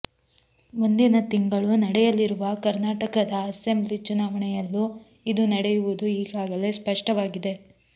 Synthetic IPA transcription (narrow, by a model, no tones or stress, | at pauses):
mund̪inɐt̪iŋɡɐɭunɐɽɛjɐliɾuʋɐkɐɾnaːʈɐkɐd̪ɐːse̞mblit͡ʃunaːʋɐɳɛjɐlːu | id̪unɐɽɛjuʋud̪uiːɡaːɡɐle̞spɐʂʈɐʋaːɡid̪e̞